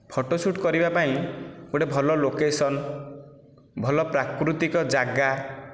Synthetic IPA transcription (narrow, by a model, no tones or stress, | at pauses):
pʰɔʈosuʈkɔɾibapaĩuɽebʱɔlɔlokesɔn | bʱɔlɔpɾakɾut̪ikɔd͡ʒaɡa